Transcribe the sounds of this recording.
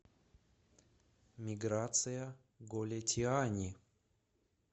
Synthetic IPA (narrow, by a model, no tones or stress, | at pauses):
mʲɪɡɾat̪sɨjɐ | ɡolʲɐtʲʰianʲi